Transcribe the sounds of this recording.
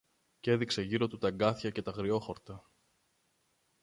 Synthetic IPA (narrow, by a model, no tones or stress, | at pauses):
ce̞ðikse̞ʝiɾo̞t̪ut̪ɐŋɡɐθçɐce̞t̪ɐɣɾio̞xo̞ɾt̪ɐ